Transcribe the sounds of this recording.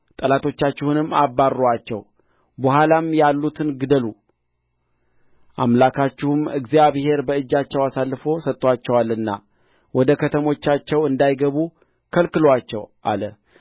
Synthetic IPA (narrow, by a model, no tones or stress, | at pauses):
t̪ʼəlat̪ʰo̞t͡ʃːat͡ʃːɪhunɨmːabːarːowat͡ʃːɛw | bəhalamjalːut̪ʰɨnɡɨd̪əlu | ʔa̰mlakʰat͡ʃːɪhumɨɡzijaβhe̞ɾbəɨd͡ʒːat͡ʃːɛwasalːɨfo̞sət̪ʼːwat͡ʃːɛwalɨnːa̰ | wɔd̪əkʰət̪ʰəmo̞t͡ʃːat͡ʃːɛwɨnd̪ajɡəβu | kʰəlkɨlat͡ʃːɛ̰wʔa̰lə̰